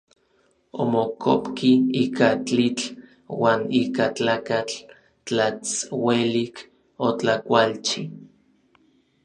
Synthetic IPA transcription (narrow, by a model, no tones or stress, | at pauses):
omokʰopkiiːkat͡ɬit͡ɬ | waːniːkat͡ɬaːkat͡ɬ | t͡ɬat͡swelik | ot͡ɬakʷalt͡ʃi